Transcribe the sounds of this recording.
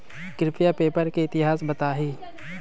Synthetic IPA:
kɾɪpʰijapeːpəɾkeɪt̪ɪɦaːsbɐt̪aːɦiː

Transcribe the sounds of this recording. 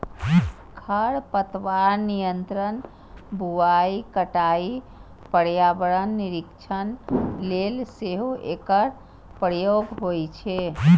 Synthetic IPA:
kʰəɽpət̪ʋaɾnijənt̪ɾən | bʱuaikəʈai | pəɽjabəɭənːiɾikt͡ʃʰənlelseɦoʔekəɾ | pɾjoɡɦojt͡ʃʰe

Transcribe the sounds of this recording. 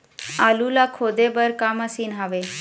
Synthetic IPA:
aːlulakʰoːd̪ebəɾkaːməsiːnɦaːʋe

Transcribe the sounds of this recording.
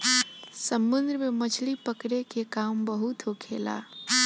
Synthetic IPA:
səmːund̪ɾəmemət͡ʃʰlipəkɾekekambəɦut̪ɦokʰela̰

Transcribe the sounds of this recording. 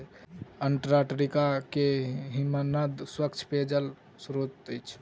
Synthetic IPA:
əɳʈɾaʈɾikakeɦimanad̪swəkt͡ʃʰped͡ʒəl | sɾot̪əjt͡ʃʰ

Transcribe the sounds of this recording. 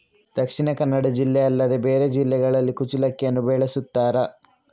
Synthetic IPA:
d̪̥ɐkʂiɳɐkɐnːɐɽɐd͡ʒilːeɐlːɐd̪ebeːɾed͡ʒilːɛɡɐɭɐlːikut͡ʃilɐkːɐnːubeɭesut̪ːaːɾɐ

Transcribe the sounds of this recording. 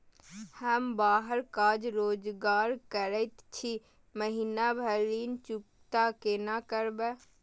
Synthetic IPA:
həmbaːɦəɾkaːd͡ʒɾoːd͡ʒɡaːɾkəɾət̪t͡ʃʰi | məɦinabʱəɾiːnt͡ʃʊk | t̪akenakəɾbɛ

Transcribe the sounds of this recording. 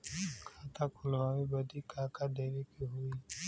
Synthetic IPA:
kʰat̪ʰakʰʊlɣawibɐd̪ikʰaːkad̪eɾekeɦui

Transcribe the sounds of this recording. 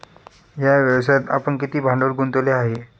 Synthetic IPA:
ɦjaʋəʋsat̪a̰pəɳkit̪iːbʱãɳɖəɾɡʱunt̪oleaɦe

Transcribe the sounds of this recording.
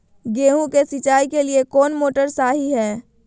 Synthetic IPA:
ɡeːɦũkesɪt͡ʃaːikeliekɔːnmoːʈəɾsaːɦiɦɛː

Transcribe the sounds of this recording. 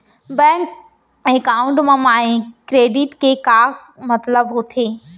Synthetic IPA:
bɛ̃ːŋk | ekaːʊ̃ɳʈmãmaːĩkɾeːɖɪʈkekaː | mɐt̪ləbɦot̪ʰeː

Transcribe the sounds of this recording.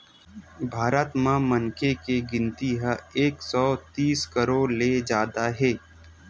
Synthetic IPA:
bʱaːɾət̪mãmənkʰekeɡɪ̃nt̪iɦəeːksɔːt̪iːskəɾoːɾled͡ʒaːd̪aɦɛː

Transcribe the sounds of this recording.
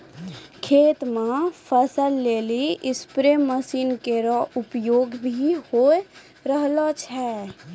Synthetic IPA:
kʰeːt̪mapʰəsəlːeːliɪspɾeməsiːnkeɾɔʊpjoːɡbʱiho | ɾəɦlat͡ʃʰɛː

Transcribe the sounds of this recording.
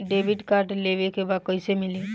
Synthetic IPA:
ɖebiʈkaːɾʈleʋekebaːd̪̚kɔɪsemɪli

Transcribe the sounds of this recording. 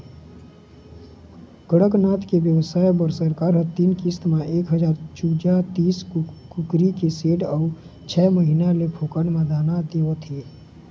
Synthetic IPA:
ɡ̥əɽəknaːt̪keʋjəwsaːjbəɾsəɾkaːɾɦət̪iːnkist̪mẽʔeːkɦəd͡ʒaːɾt͡ʃuːd͡ʒat̪iːskʊkɾikeseːʈɔː | t͡ʃʰɛːməɦinalepʰoːkənmãd̪ʱaːnad̪eot̪ʰe

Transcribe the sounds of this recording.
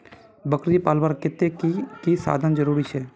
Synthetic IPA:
bəkɾd͡ʒiːpaːlbaːɾkɪt̪eːkiːsa̰ːd̪ʱənd͡ʒəɾuːɾiːsɛː

